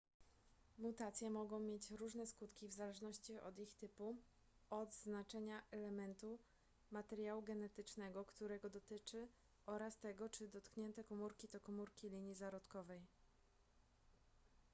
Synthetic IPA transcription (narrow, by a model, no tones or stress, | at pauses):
mut̪at̪sʲjɛmɔɡɔ̃w̃mʲjet͡ɕɾuʐnɛskut̪kʲivzalɛʐnɔɕt͡ɕiɔ̰d̪ixt̪ɘpu | ɔd̪znat͡ʂɛɲaʔɛlɛmɛnt̪u | mat̪ɛɾjawuɡɛnɛt̪ɘt͡ʂnɛɡɔkt̪uɾɛɡɔd̪ɔt̪ɘt͡ʂɘ | ʔɔɾast̪ɛɡɔt͡ʂɘd̪ɔt̪kɲɛnt̪ɛkɔmuɾkʲit̪ɔkɔmuɾkʲilʲiɲjizaɾɔt̪kɔvɛj